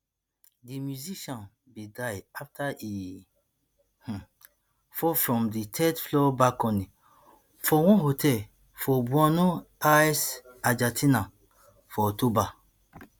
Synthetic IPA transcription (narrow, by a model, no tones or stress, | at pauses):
dimjuziʃɔ̃n | bedajaftʰaʔi | h̩ | fɔfɹɔ̃mditʰɛtflɔbakɔ̃nĩ | fɔwɔ̃nɦotʰɛl | fɔbwɔnoajsad͡ʒatʰĩna | fɔtoba